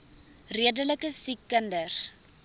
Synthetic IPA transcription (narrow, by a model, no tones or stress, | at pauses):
riədələkəsikːəndər